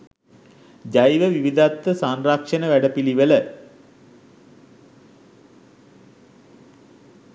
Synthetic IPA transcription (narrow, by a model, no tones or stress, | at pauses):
d͡ʒajʋəʋiʋid̪at̪ːəsanrakʂənəʋæɖəpiliʋələ